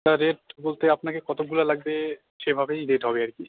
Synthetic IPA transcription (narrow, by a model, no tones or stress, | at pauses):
t̪aɾeʈ̚bolt̪eapnakekɔt̪ob̚ɡulalaɡbe | ʃebʱabejɾeʈɦɔbeaɾki